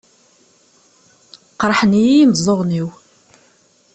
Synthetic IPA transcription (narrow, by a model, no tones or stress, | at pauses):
qɾˤħənijːməzˤːoʁniw